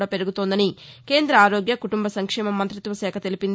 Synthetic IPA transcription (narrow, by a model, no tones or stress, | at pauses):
ɽape̞ɾuɡut̪o̞ːnd̪ɐni | ke̞ːnd̪ɾɐaːɾo̞ːɡjɐkuʈumbɐsɐŋkʂɛːmɐmːɐnt̪ɾit̪ʋɐsɛːkʰɐt̪e̞lipind̪